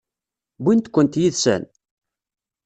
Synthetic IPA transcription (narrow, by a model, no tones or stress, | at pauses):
bint̪kʷːənt̪jiðsæ̰n